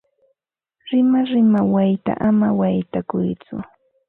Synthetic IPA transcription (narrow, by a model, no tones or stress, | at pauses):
ɾɪmaɾɪmawajt̪a̰ʔamawajt̪akʊjt͡sʊ̰